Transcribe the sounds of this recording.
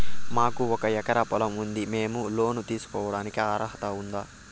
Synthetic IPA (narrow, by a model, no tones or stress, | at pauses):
maːkuɔkɐɛkɐɾɐpɔlɐmund̪ime̞ːmulo̞ːnut̪iːsu̥kɔːʋɐɽaːnikiaːɾɐɦɐt̪ɐund̪aː